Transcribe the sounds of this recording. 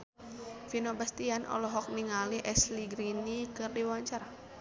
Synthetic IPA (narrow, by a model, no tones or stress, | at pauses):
finobast̪ianʔɔ̰lɔɦɔk̚niŋaliʔɛsliɡɾinikɨrdiwaɲt͡ʃaɾa